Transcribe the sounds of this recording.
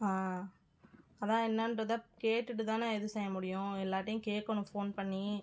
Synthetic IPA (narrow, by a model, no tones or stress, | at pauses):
aː | ɐðãːɛnːɐndɾɐðɐkeːʈːɯʈːɯt̪aːnɐɛðɯsɛjɐmʊɽɪjʊ̃ɛlːaːʈːɐjʊ̃keːʈ̚kɐɳʊ̃foːnpɐɳːi